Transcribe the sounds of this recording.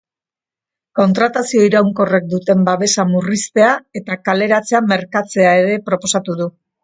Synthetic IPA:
ko̞nt̪ɾat̪asio̞iɾawŋko̞re̞k̚d̪ut̪e̞mbaβe̞samurist̪e̞ae̞t̪akale̞ɾat͡se̞ame̞ɾkat͡se̞ae̞ɾe̞pɾo̞po̞sat̪uðu

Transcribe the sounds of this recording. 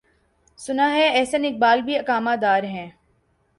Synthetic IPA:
sʊnaːɦɛːɛːsɐnɪk̚baːlbʱiɐkaːmaːd̪aːɾɦɛ̃ː

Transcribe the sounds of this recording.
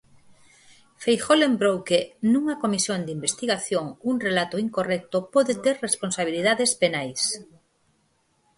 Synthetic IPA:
fejxolembɾowkenũŋɐkomisjond̪imbest̪iɣaθjoŋuŋrelat̪oiŋkorɛk̚t̪opɔðet̪eɾresponsaβ̞iliðaðespenajs

